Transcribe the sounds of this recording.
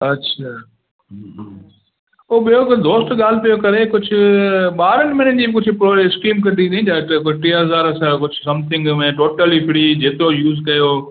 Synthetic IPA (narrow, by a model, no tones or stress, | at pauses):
ɐtːɕʰaː | oːɓijokd̪oːsʈɠaːl̤ɪpijokɐɾekʊd͡ʑʱʊɓaːɾənmɪnənɪ̆d͡ʑiːbɪkʊd͡ʑʱʊpɾoːɪskɾiːmk̬ɐnd̪it̪ʰĩd̪aːʈkʊʈiːɦɐzaːɾɐsãkʊd͡ʑʱʊsɐ̃mt̪ʰɪ̃ŋɡmẽʈoːʈəlifɪɽid͡ʑeːt̪ɪɾojuːzkɐjoː